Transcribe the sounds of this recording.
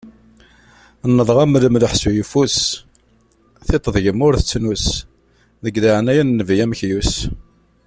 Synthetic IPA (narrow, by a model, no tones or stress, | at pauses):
nːəðˤʁæmɾəmðəħsujufus | θet̪ˤːəðˤʝəmʊɾθət͡sːnus | ðəɡlaʕnæjænnːəvjæmçjus